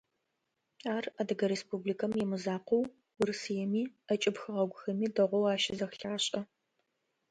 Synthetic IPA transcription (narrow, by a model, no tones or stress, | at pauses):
aːrɐdɐɡɐɾespublikʰɐmjɛmɨzaːqʷow | wʊrɨsɨjɛmiːɐt͡ʃʼɪbxɨʁɐɡʷʊxɐmiːdɐʁʷɔwaːʃɪzɐxɬaːɕʼɐ